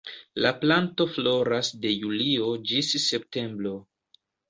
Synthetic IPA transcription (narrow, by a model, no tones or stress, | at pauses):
laplanto̞flo̞ɾasde̞julio̞d͡ʒisːe̞p̚te̞mbɾo̞